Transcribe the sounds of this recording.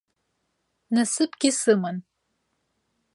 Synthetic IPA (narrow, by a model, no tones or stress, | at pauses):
nɐsɨpʰʼɡʲisɨman